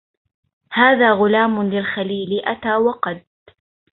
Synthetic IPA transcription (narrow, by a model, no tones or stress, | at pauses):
haːðaːɣʊlaːmʊlɪlxaliːlɪʔat̪aːwɑqɑd̪